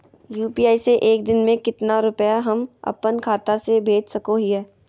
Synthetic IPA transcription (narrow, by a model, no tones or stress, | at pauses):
juːpiːaːiseʔeːk̚d̪ɪnmẽkɪt̪naɾʊpəjaɦɐmɐ̰pənkʰaːt̪asebʱeːd͡ʒsɐkoɦiɦɛː